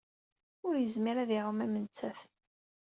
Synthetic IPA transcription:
ʊɾjəzmiɾæðiʕəmæmənt͡sːæθ

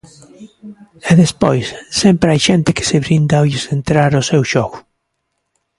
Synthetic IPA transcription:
eðespojsːempɾeajʃent̪eke̥seβɾind̪aoisent̪ɾaɾʊsewʃoɣʊ

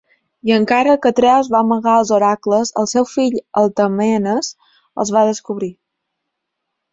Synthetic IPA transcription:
iəŋkaɾəkət̪ɾɛwzβaməɣaəlˠzuɾakləzə̰lˠsɛwfiʎəlˠt̪əmɛnəz | ə̰lˠzβaðəskuβɾi

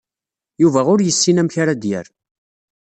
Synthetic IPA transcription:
juvæʊɾjəsːinæmçaɾad̪jə̰ɾ

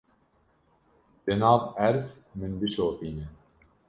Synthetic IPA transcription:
d̪̥ɛnɑːvæɾt̪mɨnbɨʃoːqiːnɛ

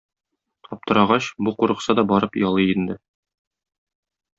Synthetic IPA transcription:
t̪ʰɒp̚t̪ɤ̆ɾɑʁɑɕbuquɾɤ̆qsɑd̪ɒbɒɾɤpjɒlˠɤind̪ɘ

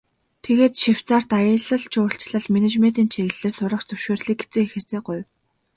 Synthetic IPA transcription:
t̪ʰeɣeːt̪ʃiw̥t͡saːr̥t̪ajə̆ɮə̆ɮt͡ɕʰʊːɬt͡ɕɮə̆ɮmenet͡ɕment̪iːnt͡ɕʰeɣɘ̆ɮĕːrsʊɾʁə̆χt͡ɕt͡sɵwʃoːrɮiːk̚ɡet͡sɘ̆ŋixĕrseːɢʊj

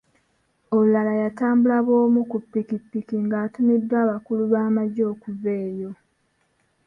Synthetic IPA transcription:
oulalajataːmbulaβo̞ːmukupːikipːikiŋɡaːtumidːwaːβakuluβaːmaɟo̞ːkuveːjo̞

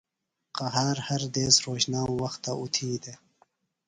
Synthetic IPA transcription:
qaɦaːɾhɐɾd̪eːsɾoːɕnaːwɐxt̪ːaut̪ʰiːd̪e

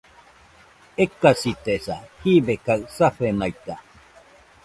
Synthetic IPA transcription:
ekːasit̪esahibekaɰsaɸenajt̪a

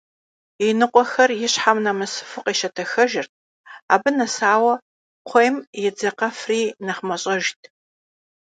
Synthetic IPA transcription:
inɨqʷʼɔxɐrjɪɕħamnɐmɨsɨ̥fɨqʼiːʃɐtʰɐxɐʒɪrt̚ʰ | a̰ːbɨnɐsaːwɐ | qʷʰejmjɛd͡zɐqɐfriːnɐχmɐɕʼɐʒtʰ

